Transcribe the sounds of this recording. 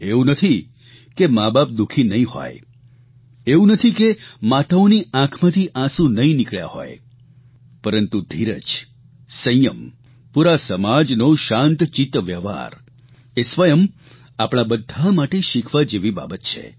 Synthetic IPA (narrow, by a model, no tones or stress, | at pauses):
eũnət̪ʰi | kemabap̚d̪ukʰinəɦĩɦɔ̰j | eũnət̪ʰikemat̪aoniãkʰmãt̪ʰiʔãsũnəĩnikɭja̰ho̰j | pəɾənt̪ud̪ʱiɾə̰d͡ʒ | sə̃jəm | puɾasəmad͡ʒnoʃãnt̪t͡ʃit̪ʋjəʋa̰ɾ | esʋəjəm | apɽ̃abəd̪ʱamaʈeʃikʰʋad͡ʒeʋiba̰bət̪t͡ʃʰḛ